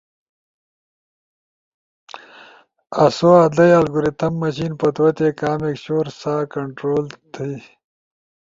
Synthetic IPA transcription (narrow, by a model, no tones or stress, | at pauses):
ɐsoːaːd̪ɐjalɡuɾit̪ɐmːɐɕinpɐt̪wɐt̪ekaːmekɕoːɾsaːkɐɳʈɾoːlt̪ʰi